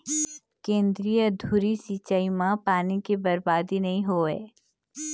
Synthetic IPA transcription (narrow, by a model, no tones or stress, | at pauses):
kẽːnd̪ɾijəd̪ʱuɾisiːt͡ʃaːimãpaːnikebɐɾbaːd̪inɐɦĩɦoːɛ̰ː